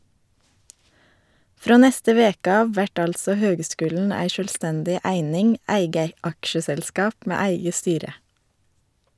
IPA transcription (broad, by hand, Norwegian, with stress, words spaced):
ˈfɾoː ˈnɛstə ˈʋeːkə ˈɑːʋ ˈʋæʈ ˈɑltsɔ ˈhøːɡˌskʉːln̩ ˈæɪ ˌʃœlˈstɛndɪ ˈæɪnɪŋ ˈæɪɡə ˈɑkʃəsɛlˌskɑːp ˈmeː ˈæɪɡə ˈstyːɾə